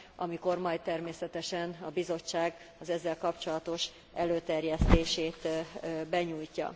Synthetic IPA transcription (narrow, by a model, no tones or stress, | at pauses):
ʔɒmiko̞rmɒjt̪ɛrmeːsɛt̪ɛʃɛnɒbizo̞t͡ʃːaːɡ | ɒzɛzːɛlkɒpt͡ʃo̞lɒt̪o̞ʃ | ʔɛløːt̪ɛrjɛst̪eːʃeːt̪bɛɲuːjcːɒ̰